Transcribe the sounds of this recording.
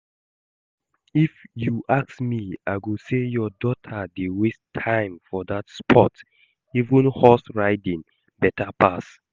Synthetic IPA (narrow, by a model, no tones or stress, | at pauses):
ifjuʔaksmiaɪɡosejɔdɔtʰədewistʰãɪ̃mfɔdatspʰɔt | ivə̃nhɔsɹaɪdĩŋ | bɛtʰapʰas